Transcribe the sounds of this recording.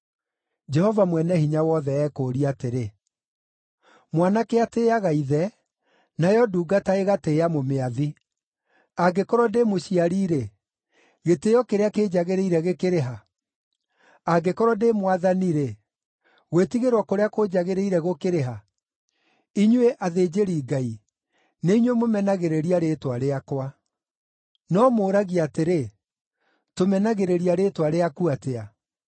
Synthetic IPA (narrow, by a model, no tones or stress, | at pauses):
d͡ʒɛhɔvamwɛnɛhiɲawɔðɛːkoːɾiateɾe | mwanakeateːaɣaiðɛ | najɔduːɡataeɣateːjamomeaði | aɡekɔɾwɔdemoɕiaɾiɾe | ɣetejɔkeɾeaked͡ʑaɣeɾeiɾɛɣekeɾeɦa | aɡekɔɾɔdemwaðaniɾɛ | ɣwetiɣeɾwakoɾeakod͡ʑaɣeɾeiɾɛɣokeɾeɦa | iɲweʔaðed͡ʑeɾiːɡai | neiɲwemomɛnaɣeɾeɾiaɾetwaɾeakwa | nɔmoːɾaɣiateɾe | tomɛnaɣeɾeɾiaɾetwaɾeakuatea